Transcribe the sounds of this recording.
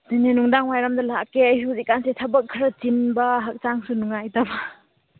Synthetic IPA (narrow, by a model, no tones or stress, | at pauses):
dinenuŋdaŋwajɾamdɐlakeɐjsuzikːansetʰɐbɐkʰːɾɐt͡ʃinbɐɦɐk̚t͡ʃaŋsunuŋajtɐbɐ